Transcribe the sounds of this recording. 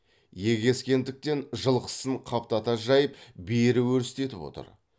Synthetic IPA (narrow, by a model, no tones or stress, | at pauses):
je̞ɡʲe̞skʲe̞nd̪ɪk̚t̪e̞nʒəlˠqə̥səɴqʰɑp̚t̪ɑt̪ɑʒɑjəpbeɾɪwɵɾɪst̪e̞t̪ɪpwo̞̰t̪ə̰ɾ